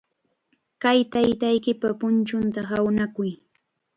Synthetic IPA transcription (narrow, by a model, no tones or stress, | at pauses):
kajt̪ajt̪ajkɪpapʊnt͡ʃʊnt̪ahawnakʊj